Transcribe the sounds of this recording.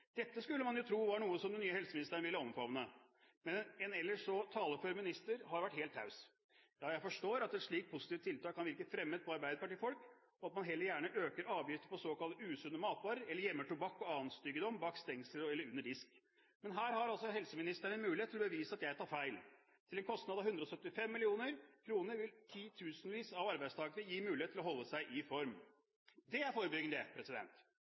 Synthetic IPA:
d̪̥ɛt̪ːəskʉlːəmɑnjʊt̪ʰɾuːʋɑɳuːəsɔmd̪ɛnyːəhɛlsəmɪnɪst̪əɳəʋɪlːəɔmfɑʋnə | mɛnɛnɛlːəʂɔt̪ʰɑːləføɾmɪnɪst̪əɾɦɑɾʋæʈheːlt̪ʰːɑ̰ʉs | jɑːjæɪfɔʂʈoːɾɑt̪ɛt̪ʂɭiːk̚pʰʊsɪt̪iːʋt̪ʰːɪlt̪ɑːkʰːɑnʋɪɾkəfɾɛmːəd̪̚pʰɔɑɾbæɪd̪əpɑʈiːfɔlk | ɔɑt̪mɑnɦɛlːəɾjæːɳəʔøːkəɾɑːʋjɪft̪əpʰɔsoːkɑlt̪əʉːsʉnːəmɑːt̪ʋɑːɾəɛləɾjɛmːəʈʰʊbɑkːɔɑːʋənst̪yːɡəd̪ɔmbɑːkst̪ɛŋsəlɔɛlːəɾʉnːəɖɪsk | mɛnɦæːɾhɑɾɑlsɔɦɛlsəmɪnɪst̪əɳənmʉːlɪet̪ʰːɪlɔbəʋiːsəɑt̪jæɪt̪ʰɑːɾfæɪl | t̪ʰɪlɛnkʰɔst̪nɑd̪ɑʋhʉnd̪ɾɔsœt̪ːɪfɛmːɪlɪuːnəɾkʰɾuːnəɾʋɪlt̪ʰiːt̪ʰʉːsnʋiːsɑʋɑɾbæɪst̪ʰɑːɡənəjiːmʉːlɪeːt̪ʰːɪlɔɦɔlːəsæɪʔɪfɔɾm | d̪ɛæɾfoːɾəbʏɡnd̪əpʰɾɛsɪd̪ɛ̰nt̪

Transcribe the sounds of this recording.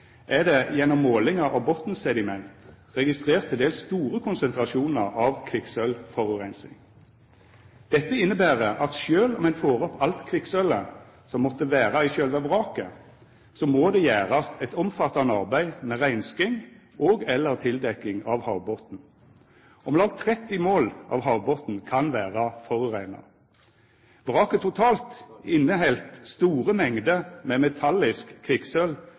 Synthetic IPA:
ʔæʁd̪ɛjɛnːɔmːoːlɪŋɑʔɑbɔt̪n̩sɛd̪ɪmɛnt̪ | ʁɛɡɪst̪ʁeːʁt̪ʰːɪld̪eːlsst̪uːʁəkʰʊnsɛnt̪ʁɑʃuːnəʁɑʋkʰʋɪksœlfɔʁʉʁæɪnsɪ̰ŋ | d̪̥ɛt̪ːəɪnːəbæːʁəʔɑt̪ʃøːlɔmɛɪnfoːʁɔpʰɑlt̪kʰʋɪksœlə | sɔmːɔt̪ːəʋæːʁɑɪʃøːlʋæʋʁɑːkə | sɔmoːd̪ɛjæːʁɑst̪ʰɛt̪ɔmfɑt̪ːɑnɑʁbæɪmɛʁæɪnskɪŋ | ʔoːɡɛlːəʁt̪ʰɪld̪ɛkːɪŋɑʋhɑʊbɔt̪n̩ | ɔmlɑːɡt̪ʰʁɛt̪ːɪmoːlʔɑ̰ʋɦɑʊbɔt̪n̩kʰɑnʋæːʁɑfɔʁʉʁæɪnɑ̰ | ʋʁɑːkət̪ʰʊt̪ʰɑːlt̪ɪnːəɦɛlt̪st̪uːʁəmɛŋd̪əmɛmɛt̪ʰɑlːɪskʰːʋɪksœl

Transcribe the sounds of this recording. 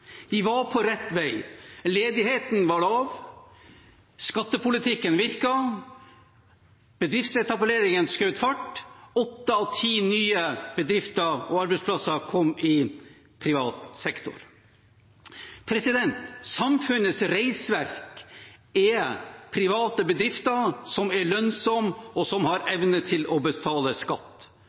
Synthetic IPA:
ʋɪʋɑɾpʰɔɾɛt̪ːʋæɪleːd̪ɪheːt̪n̩ʋɑɭɑːʋ | skɑt̪ːəpʰʊlɪt̪ʰɪkːənʋɪɾkɑ | b̥əd̪ɾɪft̪sɛt̪ɑpəleːɾɪŋənskɑʉt̪fɑʈːɔt̪ːəɑʋt̪ʰiːnyːəb̥əd̪ɾɪft̪əɾɔɑɾbɛɪspʰlɑsɑkʰɔmːɪ | pʰɾɪʋɑːt̪sɛkt̪ʊ̰ɾ | pʰɾɛsɪd̪ɛnt̪sɑmfʉnəsɾæɪsʋæɾk | ɛpʰɾɪʋɑːt̪əbəd̪ɾɪft̪əsɔmæɭœnsɔmɔsɔmhɑɾɛʋnət̪ʰɪlɔbəst̪ʰɑːləskɑt̪ː

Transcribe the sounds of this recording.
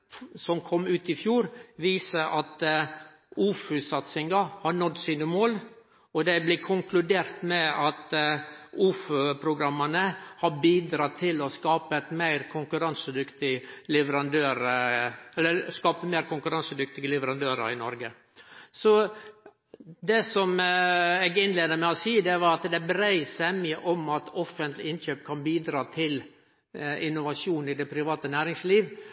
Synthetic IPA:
sɔmkʰɔmːʉːt̪ɪfjuːɾʋiːsəʔɑt̪ | uːfʉsɑt̪sɪŋɡɑhɑɳɔd̪ːsiːnəmoːl | ɔd̪ɛblɪkʰʊŋkʰlʉd̪eːɾt̪mɛɑt̪ | uːfʉpʰɾʊɡɾɑmːənəhɑbiːd̪ɾɑːt̪ʰɪlɔskɑːpət̪mæɪɾkʰʊŋkʉɾɑnsəd̪ʏkt̪ɪlɛʋəɾɑnd̪øːɾəɛlːəɾskɑːpəmeɪɾkʰʊŋkʉɾɑnsəd̪ʏk̚t̪ɪɡəlɛʋəɾɑnd̪øːɾə̰ɾɪnɔɾɡə | sɔ | d̪ɛsɔmɛɡɪnleːd̪əmɛɔsiːəd̪ɛʋɑɾɑt̪d̪ɛbɾæɪsɛmɪəʔɔmɑt̪ɔfːənt̪lɪɪnçøːpkʰɑnbiːd̪ɾɑːt̪ʰɪl | ɪnːʊʋɑʂjuːnɪd̪ɛpʰɾɪʋɑːt̪ənæːɾɪŋsliːʋ

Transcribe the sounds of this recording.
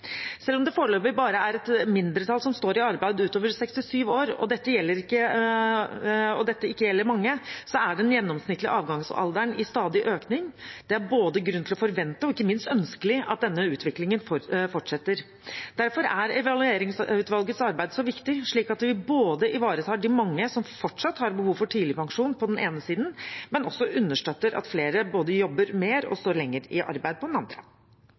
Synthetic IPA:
sɛlːɔmd̪ɛfoːɾəɭøːpːəɾbɑːɾəæɾɛt̪mɪnd̪ɾət̪ʰɑːlsɔmst̪oːɾɪɑɾbæɪd̪ʉːt̪oːʋəɾsɛkst̪ɪsyːʋoːɾɔ̰d̪ɛt̪ːəjɛlːəɾɪkːə | ɔ̰d̪ɛt̪ːəɪkːəjɛlːəɾmɑŋːəsɔæɖɛnjɛnːɔmsnɪt̪ːlɪə̰ʔɑːʋɡɑŋsɑ̰ld̪æɳɪst̪ɑːd̪ɪʔøːknɪŋd̪̥ɛæɾboːd̪əɡɾʉnːt̪ʰɪlɔfɔɾʋɛnt̪əɔɪkːəmɪnst̪œnskəlɪɑt̪̚d̪ɛnːəʉːt̪ʰʋɪklɪŋənffɔʈʂɛt̪ːəɾ | d̪̥æɾfɔɾæɾɛʋɑlʉeːɾɪŋsʉt̪ʋɑlɡət̪sɑɾbæɪd̪sɔʋɪkt̪ɪʂɭiːkɑt̪ʋɪboːd̪əʔɪʋɑːɾət̪ʰɑːɖɪmɑŋːəsɔmfɔʈʂɑt̪ːhɑɾbəhuːʋfɔʈʰiːd̪lɪpɑŋʂuːnpʰɔd̪ɛnʔeːnəsiːd̪n̩mɛnɔsːɔʔʉnːəʂʈøt̪ːəɾɑ̰t̪fleːɾəboːd̪əjɔbːəɾmeːɾɔ̰st̪oːɾɭɛŋːəɾɪʔɑ̰ɾbæɪd̪̚pʰɔd̪nɑnd̪ɾə

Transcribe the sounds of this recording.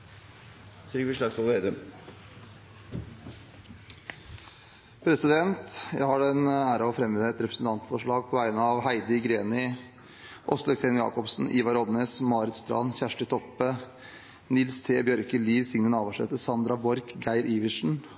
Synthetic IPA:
sɪkʋɪʂlɑɡsɔled̪ə | pʰɾɛsɪd̪ɛnt̪jæ̰ɪhɑɖɛnæːɾɑɔfɾɛmʋɪd̪əɛt̪ɾɛpɾəsn̩t̪ɑnt̪fɔʂɭɑːɡ̚pʰɔʋæɪnəɑʋɦæɪd̪əɡɾeːnɪ | ʔɔsləkseɪnjɑ̰ːkɔpsn̩ʔiːʋɑɾɔd̪neːsmɑːɾɪt̪st̪ɾɑ̰nçæʂʈət̪ʰɔpːə | nɪlst̪ʰeːbjœɾkəliːʋsɪŋnənɑːʋɑʂɛ̰t̪əsɑnd̪ɾɑbɔɾkɡæɪɾʔiːʋɪʂɳ̩

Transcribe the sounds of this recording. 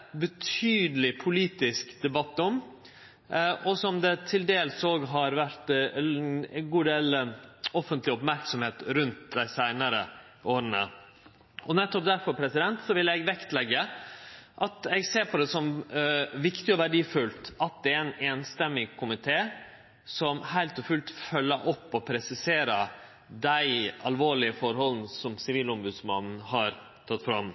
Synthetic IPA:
bət̪ʰyːd̪əlɪpʰʊliːt̪ɪskd̪ɛbɑt̪ːɔm | ʔɔsɔmd̪ɛt̪ʰɪld̪eːlsoːɡɦɑɾʋæɾt̪ | ɡuːd̪eːlɔfənt̪lɪʊpmæɾksɔmheːt̪ɾʉnt̪̚d̪æɪsæɪnəɾə | oːɾənə̰ | ʔɔnɛt̪ːɔp̚d̪æɾfɔɾpʰɾɛsɪd̪ɛnt̪sɔʋɪlɛɡʋɛkt̪lɛɡːə | ʔɑt̪ɛɡseːɾpʰɔd̪ɛsɔm | ʋɪkt̪ɪɔʋæɖiːfʉlt̪ɑt̪̚d̪ɛæɾɛɪneːnst̪ɛmːɪkʰʊmɪt̪ʰeː | sɔmhæɪlt̪ɔfʉlt̪fœlːəɾʔɔpːɔpʰɾɛsɪseːɾə | d̪æɪɑlʋoːɭɪəfɔɾhɔln̩sɔmsɪʋiːlɔmbʉːd̪smɑnn̩hɑɾ | t̪ʰɑt̪ːfɾɑm

